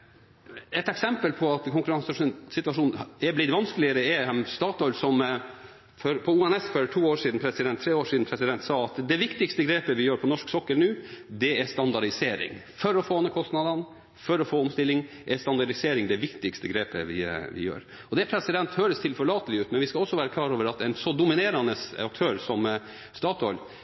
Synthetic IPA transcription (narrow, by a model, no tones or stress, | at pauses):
ɛt̪ɛksɛmpəlpʰɔɑt̪kʰʊŋkʉɾɑŋsɑʂsɪt̪ʉɑʂuːnɛblɪt̪ʋɑnskəlɪəɾəɛɛst̪ɑːt̪ɔʏlsɔm | fɔɾpʰɔuːɛnɛsfɔʈʰuːoːʂiːd̪n̩pʰɾɛsɪd̪ɛnt̪ʰːɾeːoːʂiːd̪n̩pʰɾɛsɪd̪ɛnt̪sɑːɑt̪d̪ɛʋɪkt̪ɪkst̪əɡɾeːpəʋɪjøːɾpʰɔnɔʂksɔkːəlnʉːd̪ɛɛst̪ɑnd̪ɑɖɪseːɾɪ̰ŋ | fɔɾɔfoːɑnːəkʰɔst̪nɑd̪ɑn | fɔɾɔfoːɔmst̪ɪlːɪŋ | ʔɛst̪ɑnd̪ɑɖɪseːɾɪŋd̪ɛʋɪkt̪ɪkst̪əɡɾeːpə̰ʋɪ̰ʋɪ̰jø̰ːɾ | ɔd̪ɛpʰɾɛsɪd̪ɛnt̪høːɾəst̪ʰɪlfœɭɑːt̪əlɪʉːt̪mɛnʋɪskɑɔsːɔʋæːɾəkʰlɑːɾoːʋəɾɑt̪ɛɪnsɔd̪ʊmɪneːɾɑnəsɑk̚t̪ʰøːɾsɔm | st̪ɑːt̪ɔl